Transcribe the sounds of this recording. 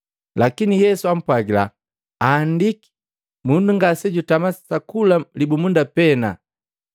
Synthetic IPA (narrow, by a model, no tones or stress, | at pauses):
lakinijɛsuam̩pwaɡila̰ | aːndiki̥ | munduŋɡasɛɟutamasakulalibumundapɛna̰